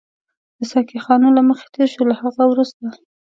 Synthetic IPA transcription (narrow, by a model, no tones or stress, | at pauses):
d̪̥əsɑkixɑnolaməxe̥t̪eɾʃolahaɣawɾust̪a